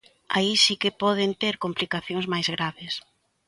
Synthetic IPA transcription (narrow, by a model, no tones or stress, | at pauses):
aisikɪpɔð̞ent̪eɾkomplikaθjoŋzmajzɣɾaβes